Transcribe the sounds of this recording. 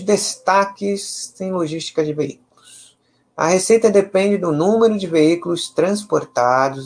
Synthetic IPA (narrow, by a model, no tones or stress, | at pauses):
d̪est̪akɪsẽj̃loʒist͡ʃi̥kɐd͡ʒɪveikulʊs | ɐ̰hesejt̪ɐd̪epẽnd͡ʒɪd̪ʊnũmeɾʊd͡ʒɪveikulʊst̪ɾɐ̃s̬poɾt̪ad̪ʊ